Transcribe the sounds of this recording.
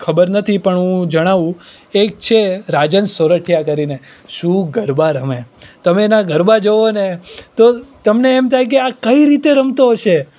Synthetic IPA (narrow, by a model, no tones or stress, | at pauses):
kʰəbəɾnət̪ʰipəɳɦũd͡ʒəɽ̃aʋũ | ek̚t͡ʃʰeɾad͡ʒənsoɾəʈʰjakəɾine | ʃũɡəɾbaɾəmet̪əmeːnaɡəɾbad͡ʒoʋonet̪ot̪əmneːmt̪ʰajk̬eakəiɾit̪eɾəmt̪oɦoʃe